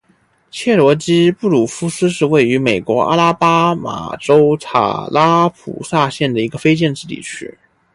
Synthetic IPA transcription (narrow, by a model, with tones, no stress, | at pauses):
t͡ɕʰjɛ˥˩lwɔ˧˥t͡ɕi˥pu˥˩lu˨˩fu˥sɹ̩˥ʂ̬ɻ̩˥˧we˥˩ɪy˧˥me˨˩ɪkwɔ˧˥a̰˥la˥pa˥ma̰˨˩ʈ͡ʂo˥ʊt͡sʰa̰˨˩la˥pʰṵ˨˩sa˥˧ɕjɛ˥˩nd̪ə˩i˧˥ɡə˧fe˥ɪt͡ɕjɛ˥˧nʈ͡ʂɻ̩˥˧t̪ḭ˥˩t͡ɕʰy̰˥